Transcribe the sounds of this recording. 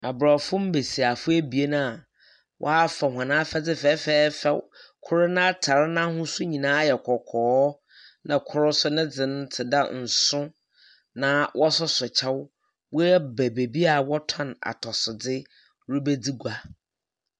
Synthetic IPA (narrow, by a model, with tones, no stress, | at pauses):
a˨bɾa˨fʊ̃˦m̩˦be˨si˨a˨fʊ˦æ˦bi˨e˦nã˦a˨ | wʔɔ̰˦a˦fɛ˨ɦʷã˨nã˦fɛ˦d͡zɪ˦fɛː˦fɛː˦fɛ˨kʰʊ˦ɾɪ˦nã˦a˦tʰa˨ɾɪ˦nã˦hʊ̃˦sʊ˦ɲĩ˨nãː˦jɛ˨kʰɔ˨kʰɔː˨˦ | nã˨kʰʊ˦ɾʊ˦sʊ˦nɪ̃˦d͡zɪ˨nʊ̃˦tʰɪ˨da˦n̩˨sʊ̃˦ | nã˨wʔɔ˦sʊ˦sʊ˨t͡ɕʰɛ˦w | wɔ˦ɛ˦bɛ˨be˨bi˦a˨wɔ˦tʰã˦na̰˨tʰɔ˨sʊ˨d͡zɪ˦ | ɾʊ˦be˦d͡zi˦ɡʷa˨